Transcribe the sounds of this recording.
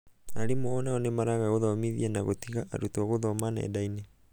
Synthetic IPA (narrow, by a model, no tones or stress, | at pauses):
aɾimoɔnaɔnemaɾaɣaɣoðɔmiðiɛnaɣo̰tiɣaʔa̰ɾutuɔɣoðɔmanaɛ̰dainɛ